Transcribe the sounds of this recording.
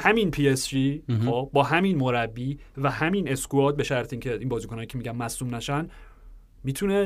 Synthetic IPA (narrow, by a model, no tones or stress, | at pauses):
hæminpʰiesʒiːxobɒːɦæminmo̞ɾæbːiːvæhæmine̞skuɒːd̪̚be̞ʃæɾt̪ʰeiŋcʰeʔinbɒːzikonɒːjicʰe̞miːɟænmæsuːmnæʃæn | mit̪ʰune